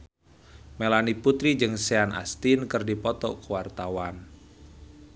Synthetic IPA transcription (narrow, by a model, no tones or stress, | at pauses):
melaniput̪ɾid͡ʒɨŋseanʔa̰st̪inkɨrdipɔt̪ɔ̰kuwart̪awan